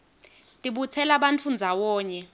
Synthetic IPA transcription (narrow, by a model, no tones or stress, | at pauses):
tʼiɓut͡sʰɛlaɓant͡fʰund͡zʱawɔːɲɛ